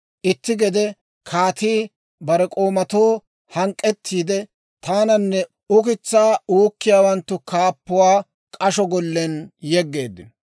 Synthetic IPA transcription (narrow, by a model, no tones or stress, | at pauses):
ʔɪt̪ːɪɡɛd̪ɛ | kʰaːt̪iː | bɐɾɛkʼo̞ːmɐt̪oː | hɐŋkʼːɛt̪ːiːd̪ɛ | t̪aːnɐnːɛ | ʊkɪt͡sːaːuːkːɪjaːwɐnt̪ːʊkaːpːʊwaː | kʼɐʃɔɡɔlːɛnjɛɡːe̞ːd̪ːɪnɔ